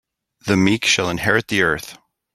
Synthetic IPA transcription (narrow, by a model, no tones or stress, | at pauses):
ðɨmikʃɨlˠə̃nhɛɹɨt̪̚ðiɜ˞θ